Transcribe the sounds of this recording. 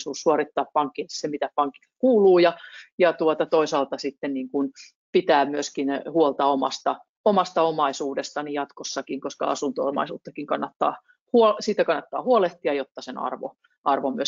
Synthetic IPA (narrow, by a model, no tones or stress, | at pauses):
suːssuorit̪ːɑːppɑŋkːilssemit̪æpɑŋkːi̥t̪kuːluːjɑjɑt̪uot̪ɑt̪oisɑlt̪ɑsit̪ːenniːŋkun | pit̪æːmyøskinhuolt̪ɑomɑ̰st̪ɑ | omɑst̪ɑomɑisuːdest̪ɑnijɑt̪kosːɑkiŋkoskɑ̰ɑ̰sunt̪oo̰mɑ̰isṵːt̪ːɑkiŋkɑnːɑt̪ːɑ̰ː | huosiːt̪ːækɑnːɑt̪ːɑ̰ːhuoleht̪iɑjot̪ːɑsenɑ̰rʋo̰ | ʔɑrʋomyø